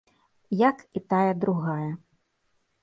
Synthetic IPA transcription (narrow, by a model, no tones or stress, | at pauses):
jakit̪ajɐd̪ɾuɣajɐ